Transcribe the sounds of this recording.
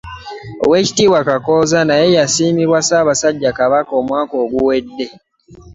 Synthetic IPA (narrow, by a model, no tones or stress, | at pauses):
o̰we̞ːci̥tiːwakako̞ːzanaje̞jasiːmiβwasaːβasaɟːakaβako̞ːmwaːko̞ːɡuwe̞dːe̞